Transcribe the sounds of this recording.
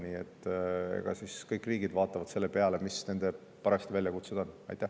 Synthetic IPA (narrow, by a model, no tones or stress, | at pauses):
nʲiet̪ːḛɡ̥ɑ̰siskɤjkːˑriːɡ̥id̪vɑːt̪ːˑɑvɑd̪̥se̞lːe̞peɑle̞misne̞nd̪e̞ | pɑɾɑst̪ivælʲjɑkut̪sed̪̥o̞nɑ̰jt̪ːˑæh